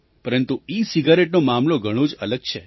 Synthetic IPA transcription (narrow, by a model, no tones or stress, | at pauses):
pəɾənt̪uisiɡaɾeʈnomamloɡʱəɽ̃õd͡ʒələɡ̚t͡ʃʰe